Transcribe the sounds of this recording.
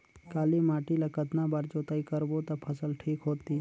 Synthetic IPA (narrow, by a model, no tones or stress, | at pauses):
kaːlimaːʈilɐkət̪nabaːɾd͡ʒoːt̪aikəɾbot̪ɐpʰəsəlʈʰiːkɦoːt̪i